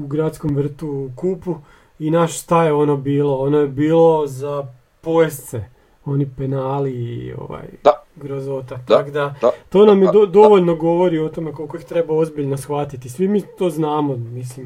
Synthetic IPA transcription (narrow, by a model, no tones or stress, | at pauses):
uɡɾat̪sko̞mʋr̩t̪ukuːpu | inaʃst̪ajeo̞nobiːlˠo̞onojebiːlˠo̞za | pojest̪se | o̞nipenaːliio̰ʋa̰jɡɾozot̪at̪akd̪at̪o̞ːnamjed̪od̪o̞ʋoʎno̞ɡo̞ʋo̞ɾio̞t̪o̞me̞ko̞lˠko̞ixt̪ɾe̞bao̞zbiʎnosxʋat̪it̪isʋimit̪o̞ːznaːmomislim